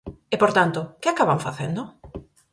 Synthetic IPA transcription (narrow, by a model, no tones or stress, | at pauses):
epoɾt̪ant̪okɪakaβaɱfaθend̪o